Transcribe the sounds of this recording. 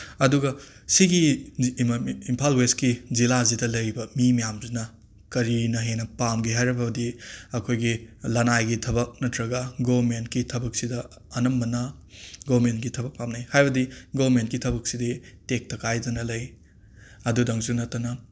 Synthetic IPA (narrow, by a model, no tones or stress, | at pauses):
ɐduɡɐsiɡi | mpʰalweskizilazidɐlɐjbɐmimɐjamzinɐ | kɐɾinɐɦenɐpamɡiɦajɾɐbɐbɐdiɐkʰojɡilɐnajɡitʰɐbɐk̚nɐtɾɐɡɐɡobmentkitʰɐbɐk̚sidɐ | ɐnɐmbɐnɐɡobmentɡitʰɐbɐk̚pamnajhajbɐdiɡobmentkitʰɐbɐk̚siditek̚tɐkajdɐnɐlɐj | ɐdudɐŋsunɐtːɐnɐ